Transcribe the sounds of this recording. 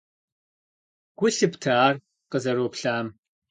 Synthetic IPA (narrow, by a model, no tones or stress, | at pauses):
ɡ̥ʷʊɬɨptʰaːr | qəzɐɾoːpɬaːm